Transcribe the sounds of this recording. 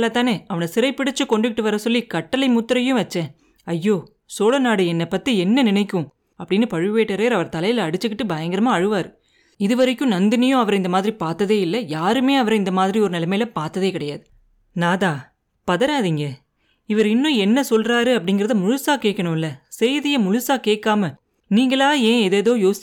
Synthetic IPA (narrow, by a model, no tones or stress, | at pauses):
lːɐːt̪ãːneːɐʋɐnɐsɪɾɐɪpːɪɽɪt͡ʃːɯkɔɳɖɯkɪʈːɯʋɐɾɐsɔlːikɐʈːɐlɐɪmʊt̪ːɪɾɐjʊ̃ʋɐt͡ʃːɛ̃ | ɐjːoː | soːlɐnaːɽɯɛnːɛpːɐt̪ːiɛnːɐnɪnɐɪkːʊ̃ | ɐpːɐɽɪnːɯpɐɻɯʋeːʈːɐɾeːɾɐʋɐɾt̪ɐlɐjɪlɐɽɯt͡ʃːɯkːɪʈːɯbɐjɐŋɡɪɾɐmaːɐɻɯʋaːɾɯ | ɪðɯʋɐɾɪkːʊ̃nɐnd̪ɪnɐjʊ̃ɐʋɐɾɪnd̪ɐmaːðɪɾipaːɾt̪ːɐðeːɪlːɐjaːɾɯmeːɐʋɐɾɪnd̪ɐmaːðɪɾiɔɾɯnɪlɐmeːlɐpaːɾt̪ːɐðeːkɪɽɐjaːðɯ | naːðaː | pɐðɐɾaːðiŋɡɐ | ɪʋɐɾɪnːʊ̃ɛnːɐsɔlraːɾɯɐpːɐɽɪŋɡɪɾɐðɯmʊɻʊsaːkeːʈkːɐɳʊ̃ɪlːɐsɛjðɪjɐmʊɻʊsaːkeːʈkːaːmɐ | niːŋɡɐɭaːẽːɛðeːðoːjoːsɪ